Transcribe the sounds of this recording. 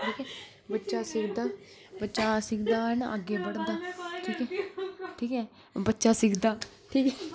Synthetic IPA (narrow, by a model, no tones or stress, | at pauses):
ɖeːkʰɛː | bətːʃaːsɪkd̪aː | bətːʃaːsɪkd̪aːɛːnã̰ːʔəɡeːbəɽd̪aːʈʰiːkɛːʈʰiːkɛː | bətːʃaːsɪkd̪aː | ʈʰiːkɛː